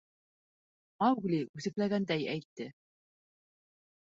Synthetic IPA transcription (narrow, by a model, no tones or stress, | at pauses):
ɑwɡlʲiʉθɘ̆klæɡænd̪æjæjt̪ːɘ